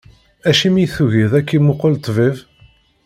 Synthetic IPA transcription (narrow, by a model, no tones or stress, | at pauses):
æʃimijθuʝiðækːimʊqəlt̪ˤːviv